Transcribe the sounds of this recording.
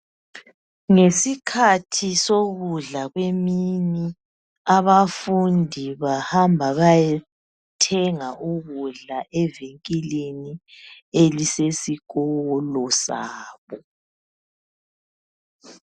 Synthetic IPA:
ŋesikʰatʰisoɣuɮaɣwemini | aβafundʱiβahambʱaβajɛ | tʰɛŋauɣuɮaʔɛveŋkʼileni | elisesiɣɔlɔsa̰ːβɔ

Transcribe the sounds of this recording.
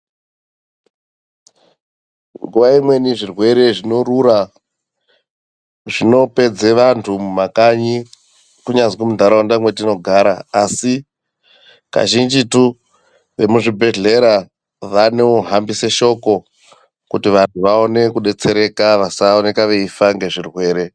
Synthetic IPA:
ŋɡuʋaimwe̞niʐirwe̞ɾe̞ʐino̞ɾuɾa | ʐino̞pe̞d͡ze̞ʋantʰumumakaɲi | kuɲad͡zɡumud̪ʱaɾawandamwetino̞ɡʱaɾaːsi | ka̰ʒind͡ʒitu | ʋe̞muʐibʱe̞ɮe̞ɾa | ʋaneoɦambise̞ʃo̞ko̞ | kutiʋantʰuʋao̞ne̞kuɗe̞t͡se̞ɾe̞kaʋasaone̞kaʋe̞ifaŋɡe̞ʐirwe̞ːɾe̞

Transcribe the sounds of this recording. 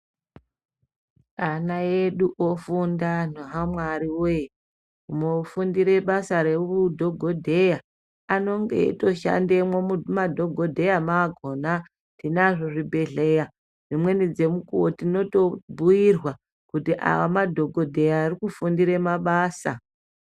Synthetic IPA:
anaje̞ɗuʔofundanoɦamwaɾiwo | umofundiɾe̞ɓasaɾeudʱo̞ɡʱo̞dʱe̞ja | ano̞ŋɡe̞̰ḭto̞ʃa̰ndemwoumadʱo̞ɡʱo̞dʱe̞jamaːɡʱo̞na | tinaʐoʐibʱe̞ɮe̞ja | ʐ̥imwe̞nid͡ze̞mukuwotino̞to̞bʱujirwa | kutiʔa̰wamadʱo̞ɡʱo̞dʱe̞jaːrikufundiɾe̞maɓaːsa̰

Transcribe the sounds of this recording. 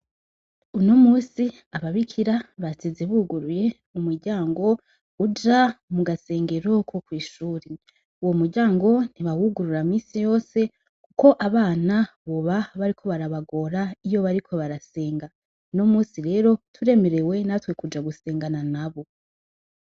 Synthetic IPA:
uno̞muːsi | aβaβikʰiɾaβat͡sizeβuːɡuɾuje̞ | umuɾɟaːŋɡo̞ | ud͡ʒamuɡase̞ːŋɡe̞ɾo̞kʰo̞kwiːʃuːɾe | uwomuɾɟaːŋɡo̞niβawuɡuɾuɾamiːsijo̞ːse̞ | kuko̞ʔaβaːna | βo̞βaβaɾikʰo̞βaɾaβaɡo̞ɾaijo̞βaɾikʰo̞βaɾase̞ːŋɡa | uno̞muːsiɾe̞ːɾo̞tʰuɾe̞me̞ɾe̞we̞natwe̞kud͡ʒaɡuse̞ːŋɡananaβo̞

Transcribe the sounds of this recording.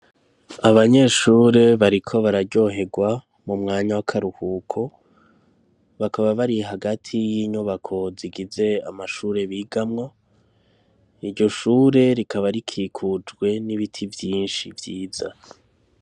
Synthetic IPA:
aβaɲe̞ːʃuːɾe̞βaɾikʰo̞βaɾaɾɟo̞ɦe̞ɡwa | mumŋaːɲawakʰaɾuhuːkʰo̞ | βakaβaβaɾiɦaɡatʰijiɲuβakʰo̞ziɡize̞a̰maʃuːɾe̞βiɡamŋo̞ | iɾɟo̞ʃuːɾe̞ɾikʰaβaɾikʰiːkʰud͡ʒɡwe̞niβitʰivjiːnʃivjiːz̥a̰

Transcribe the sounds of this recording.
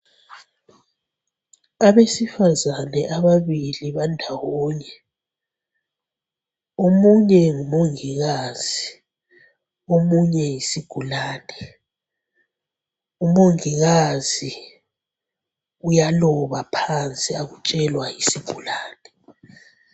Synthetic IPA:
aβesifazanɛʔaβaβiliβandʱawɔːɲɛ | omuɲɛŋumoŋiɣaz̥i | omuɲɛjisiɡ̥ʱulaːnɛ | umoŋiɣazi | ujalɔβapʰant͡sʼiaɣut͡ʃʼɛlwajisiɡ̥ʱulaːnɛ

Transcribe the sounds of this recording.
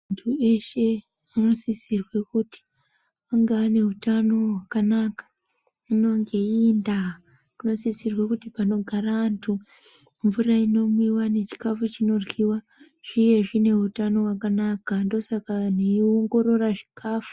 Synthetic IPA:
antʰue̞ʃe̞ | anosisirwe̞kuti̥ | aŋɡaːne̞utano̞ɦwakanakḁ | uno̞ŋɡe̞inda | kuno̞sisirwe̞kutipano̞ɡʱaraːntʰu | ɱvuraino̞mwiwane̞t͡ʃi̥kafut͡ʃino̞rwiwa | ʐ̥ije̞ʐine̞utano̞wakanakando̞sakaneioŋɡo̞ɾo̞raʐi̥kʰaːfu̥

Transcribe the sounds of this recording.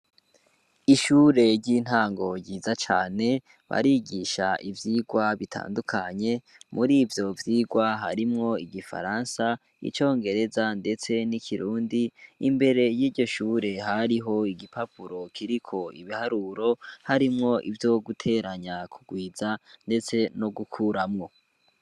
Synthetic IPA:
iʃuːɾe̞ɾɟiːn̥haːŋɡo̞ɟiːzat͡ʃa̰ːne̞ | βa̰ɾiɡiʃaʔivjiːɡwaβitʰa̰ːndukʰaɲe̞ | muɾiːvjo̞vjiːɡwaɦa̰ɾimŋo̞iɡifa̰ɾansa | ḭt͡ʃo̞ːŋɡe̞ɾe̞zande̞t͡se̞nikʰiɾuːndiːmbe̞ɾe̞jiːɾɟo̞ʃuːɾe̞ɦaɾiɦo̞iɡipapʰuɾo̞kʰiɾikʰo̞ḭβihaɾuɾo̞haɾimŋo̞ʔivjo̞ɡutʰe̞ːɾaɲakʰuɡwiːzande̞t͡se̞no̞ɡukʰuɾamŋo̞

